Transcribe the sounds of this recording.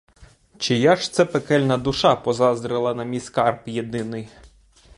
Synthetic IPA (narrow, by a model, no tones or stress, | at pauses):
t͡ʃɪjaʃt̪sɛpekɛlʲnɐd̪ʊʃɑpɔzɑzd̪ɾɪlˠɐnɐmʲijskɑrpjed̪ɪnɪj